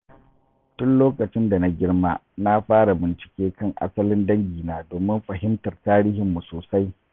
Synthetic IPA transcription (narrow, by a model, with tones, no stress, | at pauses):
tʊ˦nloː˦kʼɐ˨t͡ʃɪ˦nda˨na˦ɡʲɪ˦rma˦ | na˦ɸaː˦ɽa˨bɪ˨nt͡ʃɪ̥˨kʲeː˦kɐ˦˨ŋʔa̰˦sɐ˦lɪ˦ndɐ˦ŋɡʲiː˨naː˦doː˨mɪ˦mɸɐ˨ɦɪ˦mtɐ˨rtaː˦ɾiː˦hɪ˨mːu˨soː˨sa˦j